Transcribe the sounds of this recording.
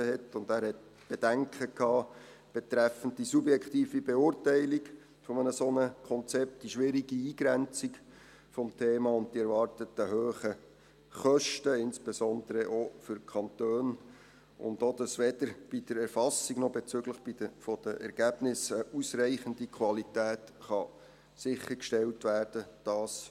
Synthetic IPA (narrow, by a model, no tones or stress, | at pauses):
əhɛtʊndæːɾhɛt̚ | b̥ɛd̥æŋkʰəkʰːɑː | b̥ɛtɾɛfən̩d̚disubjɛkχtiːfibeʊːɾtæɪlik | fɔmənəsonəkʰɔnt͡sɛp̚t̚d̥iʃʋɪɾiɡiiːɡ̥ɾɛnt͡sik | fɔmtʰeːmɑːʊnd̚d̥iɛɾvɑrtətəɦøːχə | χœʃtəɪnsb̥esɔnd̪əɾəʔofʏɾkʰɑnt̪øːn | ʊ̰ndod̪ɑsʋɛdəɾb̥id̥əɾɛɾfɑsːiɡnɔbɛt͡sʏɡləχb̥idəfɔd̥əʔɛ̰ɾɡ̥æb̥nɪsəʔusrɛɪχəndikʰʋɑlitæːtχɑ | sɪχːəɾkʃtɛltʋæːrd̥əd̥ɑːs